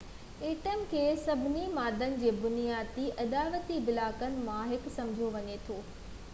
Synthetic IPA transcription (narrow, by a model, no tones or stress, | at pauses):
eːʈəmkʰeːsɐbʱɪnimaːd̪ʱənɪ̆d͡ʑeːbʊnijaːd̪iʔɐd̪aːʋət̪ibɪlaːkənɪ̆mãɦɪksɐ̃md͡ʑʱjoʋɐɲet̪ʰoː